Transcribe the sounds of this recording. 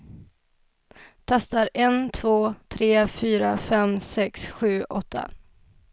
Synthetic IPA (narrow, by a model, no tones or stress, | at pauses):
t̪ʰast̪aɾɛnt̪ʰv̥oːt̪ʰɾeːfyːɾafɛmsɛksɧʉ̟ːʔɔt̪ʰːa̰